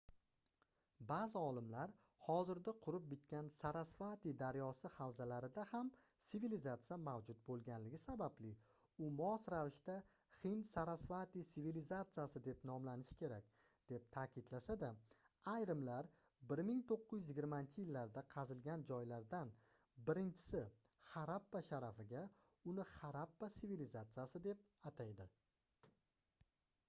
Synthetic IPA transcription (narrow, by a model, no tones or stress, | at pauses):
bazɪɒlˠɪmlaɾ | hɒzɪɾd̪aqʰʊɾɪp̚bɪt̪kʲansaɾasfat̪id̪aɾjɒsɪhawzalaɾɪd̪ahamsɪvilizat̪sɨjamawd͡ʒʊt̪̚bolˠɡʲanlɪɡʲɪsabablɪ | ʊmɒsɾavɪʃt̪a | χɪnsaɾasfat̪isivilizat̪sɨjasɪd̪e̞pnɒmlanɪʃkʲʰe̞ɾakʲ | d̪̥e̞p̚t̪ʰakʲɪd̪lasad̪a | ajɾɪmlaɾ | bɪɾmɪŋt̪ʰoqʰːʊjʏɪzjɪɡʲɪɾmaɪnt͡ʃʰɪjɪlːaɾd̪aqʰɑzɪlɡʲand͡ʒɒjlaɾd̪an | bɪɾɪnt͡ʃʰɪ̥sɪ | χɑɾapːaʃaɾafɪɡʲa | ʊnɪχaɾapːasɪvilizat̪sɨjasɪd̪e̞p̚ | at̪ʰajd̪ɪ